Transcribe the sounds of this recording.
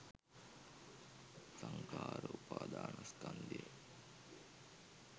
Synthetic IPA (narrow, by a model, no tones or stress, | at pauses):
saŋkaːɾəupaːd̪aːnaskand̪iə